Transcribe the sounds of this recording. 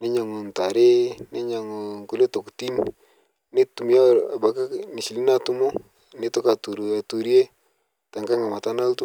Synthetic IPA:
ne˦ɲa˨ŋu˨nta˨ɾe˦ne˦ɲa˨ŋo˨ŋku˦lo˦to˨kti˦n | ne˦tu˨m˦a˦˨a˨ba˨ka˦ni˨si˨li˦na˦tu˦mo˦ | ne˦to˦ka˨tu˨ɾa˨tu˨ɾje˦ | ta˨ŋɡa˦ŋa˨ma˨ta˦na˦ltu˦

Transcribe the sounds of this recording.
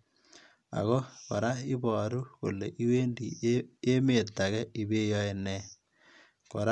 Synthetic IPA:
a̰˨ɣɔ˦ko˨ɾa˦i˦βɔː˨ɾu˦ko˨le˨ʔi˦we˦ndi˨e˦me˨t̪ːa˨ɣɛ˦i˨βe˦jɔ˦e˨nɛ˨ | ko˨ɾa

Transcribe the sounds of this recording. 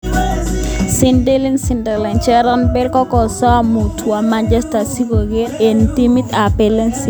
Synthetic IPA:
sɪ˦nde˦li˦nsi˨ndɛ˨lɛ˨nt͡ʃɛ˦ɾɔ˦nbɛ˦lkɔ˦kɔ˨sɔ˦a˨mu˨tʰu˨a˨ma˦nd͡ʒɛ˦sta˨si˦ko˨ɡe˦e˨nti˦mi˦t̪a˨pɛ˨lɛ˦nsi˦

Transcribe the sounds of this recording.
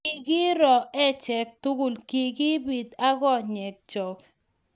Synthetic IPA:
i˨ɡi˦ɾɔ˨ɛ˦t͡ʃɛ˨k̚t̪u˦ɡu˨lki˨ɡi˦bi˨d̪a˦ɡɔ˦˨ɲɛ˨k̚t͡ʃɔ˨k

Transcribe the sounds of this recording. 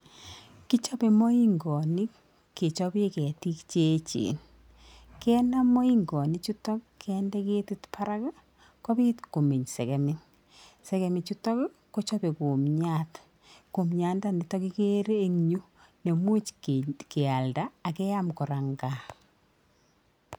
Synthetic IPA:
ki˦t͡ʃɔ˦pe˨mɔ˦i˦ŋɡɔ˨ni˦k | kːe˨t͡ʃɔ˦be˦kɛ˨ti˦kt͡ʃet͡ʃḛ˨n | kɛ˦na˦mɔ˦i˦ŋɡɔ˨ni˦t͡ʃu˦tɔ˦kkʰːɛndɛ˦ke˦ti˦tpʰa˦ɾa˦ka˦ | kɔ˦pi˦tko˨mi˨ɲsɛ̰˨kɛ˨mɪ˦n | sɛ˨kɛ˨mɪ˨t͡ʃu˦tɔ˦k | ko˦t͡ʃɔ˦pe˨ku˨mɲat | ko˨mɲa˨˦nda˦ni˨tɔki˦ke˦ɾe˦e˦ŋɲu˦ | ne˨mwu˦t͡ʃke˨a˨ldaː˦˨kɛ˦ja˦mkɔ˨ɾa˨ŋɡa

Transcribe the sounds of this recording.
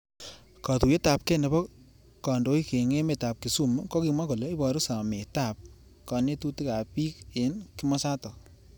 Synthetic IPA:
ka˨tu˨e˦ta˨p̚kɛ˦ne˨bɔ˦ | kɔ˨ndo˨˦i˦ke˨ŋe˦me˨ta˨p̚ki˨su˦mu˦kɔ˦ki˨ma˦ko˨le˦i˦bɔ˨ɾʊ˦sa˨me˨ta˨p̚ | kɔ˨ne˦tu˦ti˦ka˨pi˦ke˨nki˦mɔ˦sa˦tɔ˨

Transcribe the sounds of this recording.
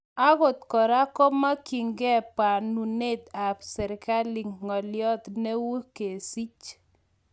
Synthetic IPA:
a˦ɣo˨t̪kɔ˨ɾa˦kɔ˦ma˦ki˨ŋɡɛ˦pa˨nu˨ne˦t̪a˨psɛ˨ɾka˦lɪ˨ŋːɔ˨ljɔ˦t̪ne˦wu˦ke˨si˦t͡ʃ

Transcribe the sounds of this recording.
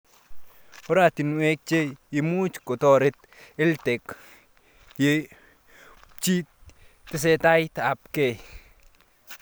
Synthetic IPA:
o˦ɾa˨t̪i˨nwe˦k̚t͡ʃe˦i˨mu˦t͡ʃko˨t̪ɔ˦ɾe˦t̪̚ | e˦lte˨k | je | t͡ʃi˦ | tɪ˦s̬e˦ta˦jta˨pke˨

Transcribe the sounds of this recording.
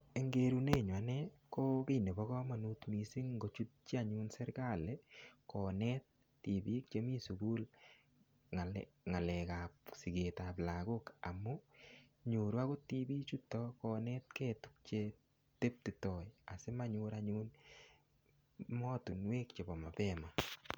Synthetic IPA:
e˨ŋɡe˦ɾune˦˨ɲwa˨nɛ | ko˦ke˦˨ne˨bɔ˦kɔ˦ma˨nu˦tmisi˦ŋŋɡo˨t͡ʃu˦t̚t͡ʃi˦a˦ɲunsɛ˦ɾka˦le˦kɔ˨nɛt̚ː | i˨bi˦k̚t͡ʃe˦mi˦su˨ɡu˦l | ŋa˨ | ŋa˨lɛ˨kapsi˨ɡe˨ta˨p̬la˨ko˦ka˨mu˦ | ɲu˨ɾwa˦ko˦ti˦bi˦t͡ʃu˦tɔkɔ˧nɛ˦tke˦tu̥k̚t͡ʃe˧ | te˦p̚titɔ˨ja˨se˦ma˦ɲu˧ɾaɲun | mɔ˦tu˨nwe˦kt͡ʃe˨bɔ˨ma˨pɛma˨

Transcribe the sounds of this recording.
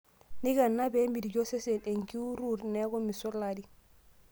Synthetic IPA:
ni˦ɡa˨nːabe˦mbi˨di˨ɟo˦se˦se˨ne˨ŋki˦u˦ɾuːɾneɡo˦mi˨so˦ladi

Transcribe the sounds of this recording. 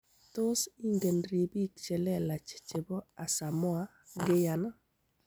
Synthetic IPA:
t̪ʊ˦si˦ŋɡe˨nɾe˨bi˦kt͡ʃɛ˨lɛ˦la˨t͡ʃe̥˨t͡ʃɪ˨bɔ˦a˨sa˨mɔ˦a˦ | ɡɪ˦ja˨na˦

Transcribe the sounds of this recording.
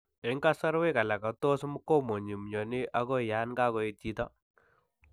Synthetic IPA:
ɪ˨˦ŋka˦sa˦ɾwe˦ka˨la˨ka˨tɔ˦sm˦kɔ˦mo˨ɲi˨m˨ɲɔ˨nɪ˦ʔa˦kɔ˦ja˨˦nka˦kɔ˨e˨ti˦tɔ˦

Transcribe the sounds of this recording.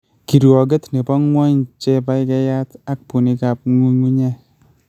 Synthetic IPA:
ki˨ɾu˨ɔ˨ɡe˦tni˨pɔ˦ŋwɔ˦ɲt͡ʃɛ˦pa˦jɪ˦kɛ˦ja˦ta˦k̚pu˨ni˦ka˨p̚ŋu˦ŋu˦ɲɛ˦

